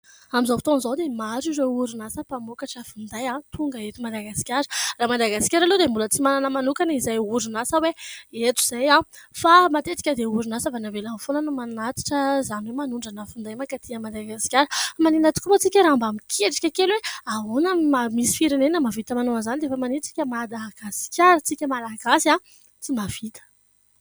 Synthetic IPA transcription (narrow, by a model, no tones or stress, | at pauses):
amizawfit̪onzawd̪emazireuɾunasəpamokaʈ͡ʂəfund̪ajãt̪ʰuŋɡəet̪umad̪aɡasi̥kʲaɾəraːmad̪aɡasi̥kʲaɾalud̪embulət͡simananəmanukanizajuɾunasaweet̪uz̥ajãfamat̪et̪i̥kʲəd̪euɾunasəvanavelamfonənumannat̪i̥ʈ͡ʂəzaniwemanuɳɖ͡ʐanəfund̪ajmakat̪ʰiəmad̪aɡasi̥kʲaɾəmaninət̪u̥kumot͡sikʲəɾaambamikʰeʈ͡ʂi̥kʲəkelweaonəmamisi̥fiɾenenəmavit̪əmanoazanid̪efəmanint͡si̥kʲəmad̪aɡasi̥kʲaɾət͡sikʲəmalaɡasia | t͡simav̥it̪ə̥